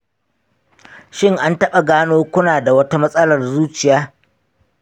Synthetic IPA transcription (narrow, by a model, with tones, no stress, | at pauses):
ʃɪ˦˨ŋʔa˦ntɐ˦ɓa˨ɡaː˦noː˦kʷʊ˦naː˨da˨wɐ˦ta˦mɐ˦sʼɐ˦lɐ˨rzuː˦t͡ʃɪ˨jaː˦